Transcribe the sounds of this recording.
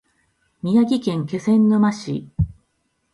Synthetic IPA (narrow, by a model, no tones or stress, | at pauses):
mʲijaɡʲikẽ̞ŋke̞sẽ̞nːomaɕḭ